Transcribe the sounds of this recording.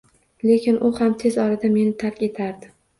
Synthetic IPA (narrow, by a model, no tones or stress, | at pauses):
le̞kʲʰɪnʔʊhamt̪ʰe̞zɒɾad̪ame̞nɪt̪ʰaɾkʲe̞t̪ʰaɾd̪ɪ